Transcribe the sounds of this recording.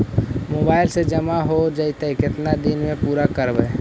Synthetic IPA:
moːbaːɪlsed͡ʒəmaɦod͡ʒəit̪əkɪt̪nad̪inmẽpuːɾakəɾbɛː

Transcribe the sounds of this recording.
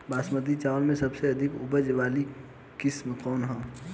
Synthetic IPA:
baːsməd̪it͡ʃaːʋəlmẽsɐbseɐd̪ʱɪkʊbəd͡ʒʋaːli | kɪsmkɔːnɦə̃

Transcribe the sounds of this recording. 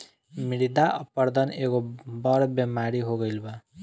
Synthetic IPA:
miɽid̪aʔəpəɾd̪əneɡobʌɾbjemaɾiɦoɡəjlba

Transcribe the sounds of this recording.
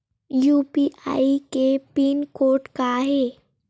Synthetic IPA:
jupiʔa̰ikepiːnkoɾʈkaːɦe

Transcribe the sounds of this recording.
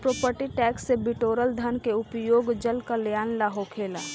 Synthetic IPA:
pɾoːpəɾʈiʈɛːksːebɪʈoːɾəld̪ʱənkeʊpjoːɡd͡ʒəlkaljaːnlaːɦokʰeːlaː

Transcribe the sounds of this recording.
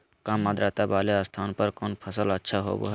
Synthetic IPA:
kãːmːad̪ɾaːt̪abaːleəst̪ʰaːnpəɾkɔːnpʰəsələtːʃʰaɦo̰ːbo̰ɦ

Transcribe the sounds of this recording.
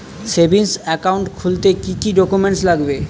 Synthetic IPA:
sebʱinsɛkawɳʈkʰult̪ekikiɖɔkumeɳʈslaɡbe

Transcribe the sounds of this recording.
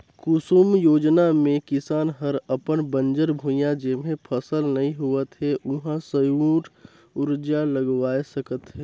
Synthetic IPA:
kʊsumjoːd͡ʒnamẽkɪsaːnɦəɾəpənbə̃nd͡ʒəɾbʱũjãd͡ʒemẽpʰəsəlnɐɦĩɦuət̪ɦɛʔʊɦãsəjuːʈ | ʊɾd͡ʒaləɡʋaːesɐkət̪ɦɛː

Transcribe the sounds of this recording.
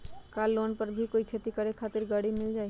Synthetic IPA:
kalːonpəɾbʱikoːikʰet̪ikəɾekʰat̪ɪɾɡaɽimɪld͡ʒaːi

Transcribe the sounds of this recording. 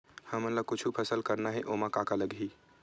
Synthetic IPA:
həmələb̚kʊt͡ʃʰupʰəsəlkəɾnaɦɛʔoːmãkaːkaləɡɦi

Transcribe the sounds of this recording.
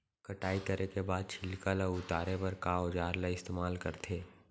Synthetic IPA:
kɐʈaːikɐɾʔekebaːd̪̚t͡ʃʰɪlkələʊt̪aːɾepɐɾkaːod͡ʒaːɾlaɪst̪eːmaːlkɐɾt̪ʰeː

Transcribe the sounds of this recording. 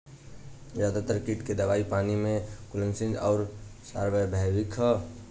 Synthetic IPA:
zjad̪at̪əɾkiʈked̪əʋaipanimẽkulənsĩnd͡ʒɔːɾsa̰ɾbəbʱabikɦə

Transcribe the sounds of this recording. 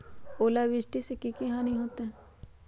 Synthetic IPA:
oːlaʋɪsʈisekikiɦanĩɦoːt̪eɦɛ̃ː

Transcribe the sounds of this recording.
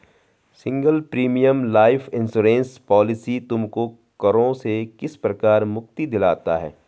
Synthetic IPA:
sɪ̃ŋɡəlpɾiːmijəmlaːɪfʰɪ̃nsuːɾẽːnspɔːlɪsit̪ʊmko | kɐɾõsekɪspɾɐkaːɾmʊk̚t̪id̪ɪla̰ːt̪a̰ɦɛ̰ː

